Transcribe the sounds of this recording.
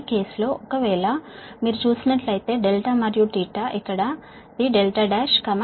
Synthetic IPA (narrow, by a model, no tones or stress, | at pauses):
ke̞ːslo̞ːʔɔkɐʋɛːɭɐmiːɾut͡ʃuːsinɐʈlɐjt̪e̞ːɖelʈamɐɾjuʈiːʈaʔikːɐɽɐ | d̪iɖelʈaːɖaːʃkɐm